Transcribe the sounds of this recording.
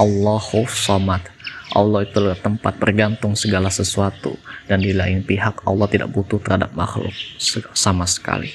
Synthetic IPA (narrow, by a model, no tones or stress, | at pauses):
ʔɑlːɑhofsɔmat̪ʔɑ̰lːɑhit̪ulaɡt̪ːəmpa̰t̪̚bərɡant̪ʊŋsəɡalasəsuat̪ṵdandilaɪnpiɦakɑ̰lːɑht̪ida̰ʔ̚but̪ut̪ərhada̰p̚ma̰xlʊ̰k̚səsamasə̥ka̰lḭ